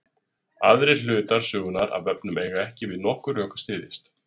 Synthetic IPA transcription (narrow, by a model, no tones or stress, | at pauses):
aðɾɪl̥ʏːt̪aɾ̥sʏːɣʏnaɾa̰ðvɛpnʏmeːjɣaɛhcɪvɪðnɔhkʏɾœːkḁst̪ɪːðɪst̪